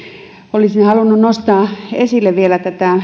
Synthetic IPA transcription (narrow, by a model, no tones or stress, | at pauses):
olisinehɑlunːunnost̪ɑːesilːeʋʋielæt̪æt̪æ